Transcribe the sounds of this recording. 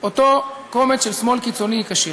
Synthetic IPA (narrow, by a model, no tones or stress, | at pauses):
ot̪okomeʃelsmo̞lkit͡so̞niikaʃe